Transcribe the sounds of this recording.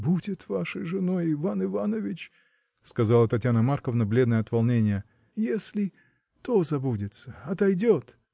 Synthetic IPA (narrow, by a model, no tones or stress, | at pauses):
budʲɪt̪vaʂəjʐɨnojɪvanɨvanəvʲɪt͡ɕ | skɐzalˠət̪ɐtʲjanəmarkəvnɐblʲe̞d̪nəjɐt̪vɐlˠnʲenʲɪjə | jesʲlʲɪ | t̪ozɐbudʲɪt̪səɐt̪ɐjdʲot̪